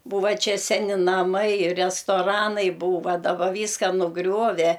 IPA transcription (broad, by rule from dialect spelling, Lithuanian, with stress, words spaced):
ˈbuːʋɐ ˈt͡ʃʲɛ ˈsʲæːnʲɪ nɐˈmɐɪ rʲɛstoːˈrɑːnɐɪ ˈbuːʋɐ dɐˈbɐ ˈʋʲiːskɐ nʊˈɡrʲuɔʋʲɛ